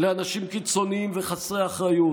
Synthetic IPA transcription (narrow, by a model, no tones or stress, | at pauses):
leanaʃimkit͡so̞niimveχasʁeaχʁaju